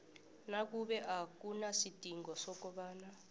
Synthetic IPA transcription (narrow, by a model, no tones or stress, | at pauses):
nak̬uɓɛʔakunasid̥ʱʼiŋɡɔsɔk̬ɔɓaːna